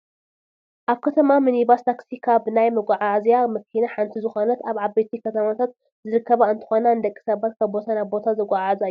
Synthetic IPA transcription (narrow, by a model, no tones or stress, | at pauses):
ʔaβkʰɐt̪ʰɐmamɨnibast̪ʰaksikʰabɨnajmɨɡʷʼaʕazjamɨkʰinaħant̪ʰizɨxo̞nɐt̪aβʕabet̪ʰikʰɐt̪ʰɐmat̪ʰat̪̚ | zɨɾɨkʰːɐβaɨnt̪ʰɨ̥xo̞nand̪ɐkʼːi̥sɐbat̪̚kʰaβbo̞t̪ʰanaβbo̞t̪ʰazɐɡʷʼaʕazaj